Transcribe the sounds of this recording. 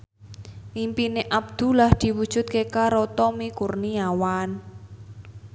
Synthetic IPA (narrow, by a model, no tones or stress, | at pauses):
ʔimpineʔab̚d̪̥ṳlahd̪̥i̤wud̥ʒ̥ʊ̤t̪̚kekaɾɔt̪ɔmikurniawan